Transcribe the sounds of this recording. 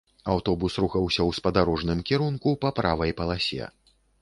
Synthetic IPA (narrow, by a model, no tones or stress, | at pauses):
awt̪ɔbusɾuxɐwsʲɐwspɐd̪aɾɔʐnɨmkʲiɾunkupɐpɾavɐjpɐlˠasʲɛ̰